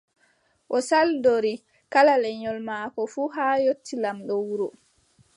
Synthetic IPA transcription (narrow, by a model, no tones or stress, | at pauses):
ʔɔsaldoɾi | kalalɛɲɔlmaːkɔfuːɦaːjotːilamɗɔwuɾɔ